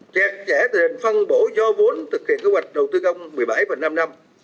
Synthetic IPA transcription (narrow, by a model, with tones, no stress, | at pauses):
t͡ɕɛ˨˩k̚t͡ɕɛ˧˩t̪ɨ˨˩hï˨˩ŋ̟fə˧nɓo˧˥zɔ˧vu˨˦ənt̪ʰɨ˨˩k̚hḭ˧˨ənke˧˦˥wjk̟̚ɗə˨˩wt̪ɨ˧kə˧wŋ͡mmɨ˨˩əjɓa˧˩jfə˨˩na˧mna˧m